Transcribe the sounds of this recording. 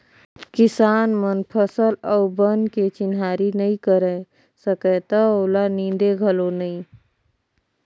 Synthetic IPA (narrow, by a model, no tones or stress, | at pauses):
kɪsaːnmənpʰəsəlɔʊbənket͡ʃɪnɦaːɾinəĩkəɾɛ | səkɛt̪əoːlanĩnd̪eɡʱəlonəĩ